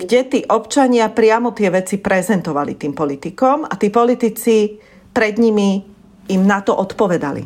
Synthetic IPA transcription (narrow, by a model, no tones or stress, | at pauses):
ɡɟɛt̪iːʔɔpt͡ʃaɲɪapɾɪamɔt̪ɪɛʋɛt͡sipɾɛzɛnt̪ɔʋalḭt̪iːmpɔlit̪ikɔmat̪iːpɔlit̪it͡si | pɾɛd̪ɲimi | imnat̪ɔʔɔt̪pɔʋɛd̪a̰lḭ